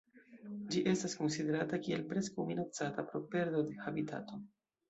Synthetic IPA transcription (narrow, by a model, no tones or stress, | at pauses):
d͡ʒiʔe̞stasko̞nside̞ɾatakie̞lpɾe̞skawminat͡satapɾo̞pe̞ɾdo̞de̞habita̰to̞